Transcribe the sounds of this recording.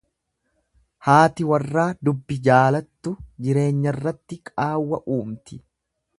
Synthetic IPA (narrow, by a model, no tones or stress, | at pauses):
haːt̪ɪwɐrːaːd̪ʊbːɪd͡ʒaːlɐt̪ːʊd͡ʒɪɾe̞ːɲːɐrːɐt̪ːɪkʼaːwːɐʔuːmt̪ɪ